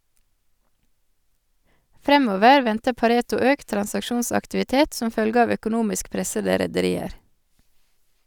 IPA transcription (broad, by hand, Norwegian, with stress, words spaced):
ˈfɾɛmoːʋəɾ ˈʋɛntə pɑˈɾeːtʊ ˈøːkt tɾɑnsɑkˈʃuːnsɑktɪʋɪˌteːt ˈsɔm ˈfœlɡə ˈɑʋ œkʊˈnuːmɪsk ˈpɾɛsədə ɾɛdəˈɾiːəɾ